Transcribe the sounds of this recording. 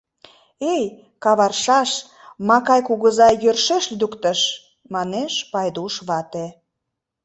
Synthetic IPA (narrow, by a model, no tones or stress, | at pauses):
ej | kɑβɑrʃɑʃ | mɑkɑjkuɣəzɑjørʃeʃd̪ukt̪ə̆ʃ | mɑneʃpɑjd̪uʃβɑt̪e